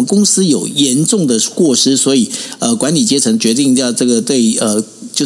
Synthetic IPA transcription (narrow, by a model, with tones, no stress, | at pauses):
kʊ˥ŋsɹ̩˥jo˨˩ʊjɛ˧˥nʈ͡ʂʊ˥˩ŋd̪ə˩kwɔ˥˩ʂɻ̩˥swɔ˧˥i˨˩ə˧kwa˧˥nli˨˩t͡ɕjɛ˥t͡sʰɤ˧˥ŋt͡ɕɥɛ˧˥t̪̬i˥˧ŋt͡ɕjɑ˥˧ʊʈ͡ʂɤ˥˩ɡə˩t̪we˥˩ɪə˩t͡ɕjo˥˧ʊ